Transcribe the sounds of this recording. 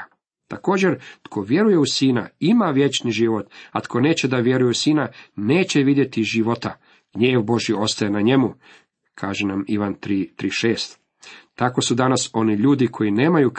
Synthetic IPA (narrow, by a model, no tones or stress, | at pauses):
t̪ako̞ːd͡ʑe̞ɾt̪kʰo̞ʋje̞ɾuje̞usiːna̰imaʋje̞t͡ʃniʒiʋo̞t̪at̪kʰo̞ne̞ːt͡ɕe̞d̪aʋje̞ɾujeusiːnane̞ːt͡ɕe̞ʋid̪je̞t̪iʒiʋo̞t̪a | ɡ̥ɲe̞ːʋbo̞ʒjio̞st̪ajenaɲe̞mu | kʰaːʒenamiʋant̪ɾit̪ɾiʃe̞ːst̪ | t̪ako̞sud̪anaso̞niʎuːd̪ikʰo̞ine̞ːmajuk